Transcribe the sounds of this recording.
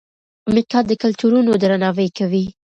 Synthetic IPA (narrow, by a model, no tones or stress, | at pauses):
amikɑd̪ːəkalt̪uɾunod̪ɾanɑwəjkawi